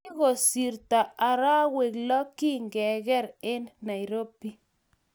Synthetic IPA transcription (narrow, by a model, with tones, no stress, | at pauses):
i˦ɣo˨si˨ɾta˨a˨ɾa˦we˨klɔ˦ki˦ŋɡɛ˨ɣɛ˦ɾe˦nna˨jɾo˦pːi˦